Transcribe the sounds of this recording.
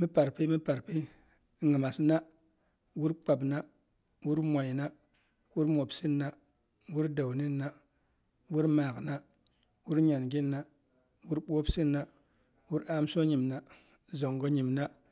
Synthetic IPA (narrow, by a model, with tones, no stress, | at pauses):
mi˦pa˨ɾpi˦mi˦pa˨ɾpi˦ | ŋi˨ma˨sna˦ | wu˦ɾk͡pa˨bna˦ | wu˦ɾma˨jna˦ | wu˦ɾmo˨bsi˦nːa˦ | wu˦ɾda˨wni˦nːa˦ | wu˦ɾmaː˨ɣna˦ | wu˦ɾɲa˨nɡi˦nːa˦ | wu˦ɾɓoː˦bsi˦nːa˦ | wu˦ɾaː˦m˦so˦ɲi˨mna˦ | zo˨ŋɡo˦ɲi˨mna˦